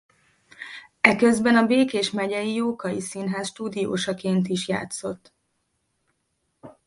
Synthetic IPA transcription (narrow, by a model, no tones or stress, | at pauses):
ɛkø̞zbɛnɒbeːkeːʃmɛɟɛjijoːkɒjisinɦɛsʃt̪uːd̪ijo̰ːʃɒkeːnt̪iʃja̰ːt̪so̞t̪ː